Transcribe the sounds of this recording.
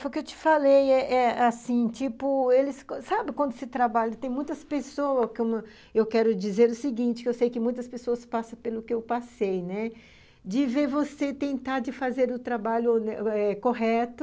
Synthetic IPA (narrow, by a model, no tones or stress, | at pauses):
fojkewt͡ʃɪ̥falejɛʔɛasĩt͡ʃipʊelɪsksabɪkwɐ̃nd̪ʊsɪt̪ɾabaʎɐt̪ẽj̃mũj̃t̪ɐspesowɐskõmʊ | ewkɛɾʊd͡ʒizeɾʊsɪɡĩnt͡ʃɪ̥kɪewsejkɪmũj̃t̪ɐspesoɐspasɐ̃pelʊkɪewpasejnɛ | d͡ʒɪveɾvoset̪ẽnt̪aɾd͡ʒɪfazeɾʊt̪ɾabaʎʊnɛkoɦɛt̪ʊ